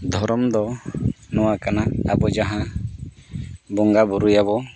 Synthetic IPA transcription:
d̪ʱɔɾɔmd̪ɔnɔwakanaːbɔd͡ʒaɦã | bɔŋɡabɔɾujabɔ

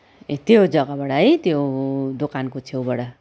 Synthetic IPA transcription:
et̪jewd͡zʌɡabʌɽaʌjt̪jod̪okankot͡sʰewbʌɽa

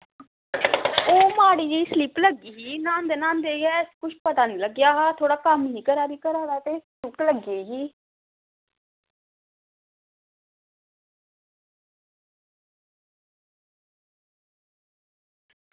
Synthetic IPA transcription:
oːmaːɽiːjiːslɪːpləɡiːɦiːnãːnd̪eːnãːnd̪eːɛskʊt͡ʃʰpət̪aːnĩːləɡɪjaːɦaːt̪ʰoːɽaːkəmɦĩːkəɾaːbiːkəɾãːdaːt̪eː | ʊkləɡeːɦiː

